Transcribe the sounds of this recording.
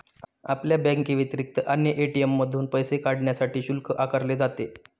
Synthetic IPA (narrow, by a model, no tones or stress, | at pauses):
a̰pljabɛ̃ŋkiʋit̪ɾik̚t̪əʔanjəʔeʈiemːəd̪ʱuːnpəjsekaɽɳjasaʈiːɕulkʰəʔakəɾled͡zat̪e